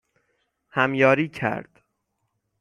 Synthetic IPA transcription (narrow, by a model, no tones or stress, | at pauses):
hæmjɒːɾiːcʰæ̰ɾd̪̥